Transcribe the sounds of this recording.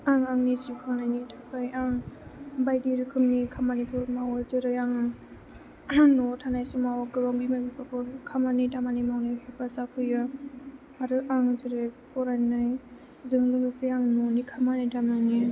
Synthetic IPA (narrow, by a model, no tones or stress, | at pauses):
aŋaŋnizikʰɯnajnitʰapʰajaŋbajdiɾɯkʰɯmnikʰamanipʰuɾmawɯzɯɾɯjaŋ | nɔtʰanajsumawaɡɯlɔŋbimabipakʰɔkʰamanitamanimawnahepazakʰɯjɯ | aɾɯʔaŋzɯɾɯjpʰɔɾanaj | zɯŋlɯŋɯsɯjaŋnɔnikʰamanajtamani